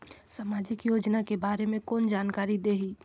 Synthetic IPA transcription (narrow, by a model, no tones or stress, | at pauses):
saːmaːd͡ʒɪkjoːd͡ʒnakebaːɾemẽkoːnd͡ʒaːnkaːɾid̪eːɦiː